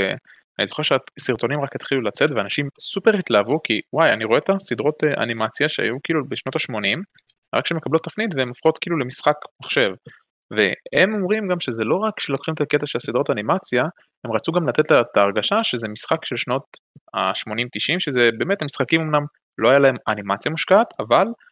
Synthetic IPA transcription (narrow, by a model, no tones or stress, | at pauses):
e | anizoχeʃeasiʁt̪o̞nimʁaket̪χilulat͡se̞t̪veanaʃimsupe̞ʁit̪lavukiwajaniʁo̞et̪asid̪ʁo̞t̪eʔa̰nimat͡sjaʃea̰jukiilubeʃno̞t̪aʃmo̞nim | ʁa̰kʃeemekablot̪ːafnit̪veemofχo̞t̪kiiːlule̞misχakmaχʃe̞v | vehemo̞mʁimɡamʃe̞zelo̞ʁakʃelokχimet̪ake̞t̪aʃelsid̪ʁotanimat͡sja | he̞mʁat͡suɡamlat̪et̪lat̪aːʁɡaʃaʃeze̞misχakʃelʃno̞t̪ | a̰ʃmo̞nimt̪iʃimʃezebe̞ːme̞t̪hamisχakimomnam | lo̞ajalae̞manimat͡sjamuʃkaːt̪ʰaval